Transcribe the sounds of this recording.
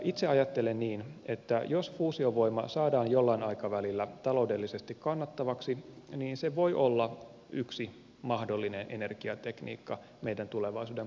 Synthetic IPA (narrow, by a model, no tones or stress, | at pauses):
ʔit̪seɑjɑt̪ːelenniːnet̪ːæjosfuːsioʋo̞imɑ̰sɑːdɑːnjolːɑinɑikɑʋælilːæt̪ɑlo̞ude̞lːisest̪ikkɑnːɑt̪ːɑʋɑksiniːnseʋo̞iʔolːɑ | ʔyksi | mɑhdolːinenʔḛne̞rkiɑt̪eknḭːkːɑ | meidænt̪uleʋɑisuːdem